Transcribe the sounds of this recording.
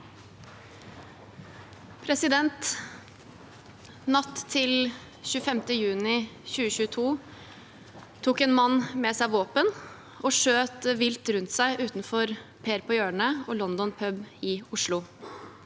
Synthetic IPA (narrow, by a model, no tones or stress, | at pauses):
pʰɾɛsɪd̪ɛnt̪ | nɑt̪ʰːɪl | çʉːəfɛmt̪əjʉːnɪçʉːəçʉːt̪ʰuː | t̪ʰuːkɛːnmɑnːmɛsæɪʋoːpən | oːʂøːt̪əʋɪlt̪ɾʉnt̪sæɪʔʉːt̪nfɔɾpʰeːɾpʰɔːjøːɳəoːlɔnd̪ɔnpʰœbɪʊʂlʊ